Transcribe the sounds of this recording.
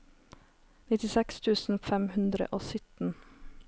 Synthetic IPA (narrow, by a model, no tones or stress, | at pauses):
nɪt̪ɪsɛkst̪ʰʉːsn̩fɛmhʉnd̪ɾə̰ʔoːsʏt̪n̩